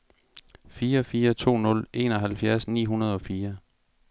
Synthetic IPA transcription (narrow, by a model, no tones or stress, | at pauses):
fiːɐɒfiːɐt͡sʰo̝̰ːnɔ̽le̝nɒ̽ɦælfjæɐsnḭːɦunɐð̞ˠɒ̽fiːɐ